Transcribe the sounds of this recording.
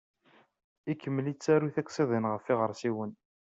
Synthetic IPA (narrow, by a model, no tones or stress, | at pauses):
ikːəmːlit͡sːæɾuθækʷsˤɪðˤinʁəfːiʁəɾsiwən